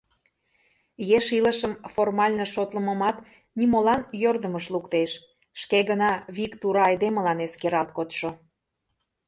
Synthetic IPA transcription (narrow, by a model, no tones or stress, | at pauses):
jeʃilə̆ʃəmformɑlʲnə̆ʃot̪lə̆mə̆mɑt̪ | nimolɑnjørd̪əməʃlukt̪eʃ | ʃkeɣənɑβikt̪uɾɑːjd̪emə̆lɑneskeɾɑlt̪̚kot̪ʃo